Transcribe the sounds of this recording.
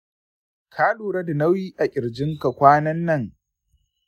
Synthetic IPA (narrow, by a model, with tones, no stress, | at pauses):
kʰaː˦luː˨ɾɐ˦da˨na˦wjiː˦ʔa˨ʔʲʼɪ˨ɾd͡ʒɪ˦ŋka˨kʷaː˦nɐ˦nːɐ˦˨ŋ